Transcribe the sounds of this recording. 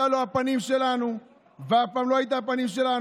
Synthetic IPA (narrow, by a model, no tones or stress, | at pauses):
alɔapanisɛlanu | vafamlɔait̬ap̬anis̬ɛla